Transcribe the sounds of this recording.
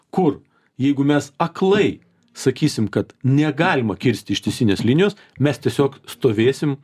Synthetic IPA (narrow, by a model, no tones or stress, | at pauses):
kʊr | jɛɪɡʊmʲɛsɐklˠɐɪ | sɐkʲiːsʲɪmkɐt̪nʲɛɡɑːlʲɪmɐkʲɪɾʲsʲt̪ʲɪʃt̪ʲɛɪsʲinʲeːslʲinʲɪjoːs | mʲɛst̪ʲiɛsʲoːkst̪oːʋʲeːsʲɪm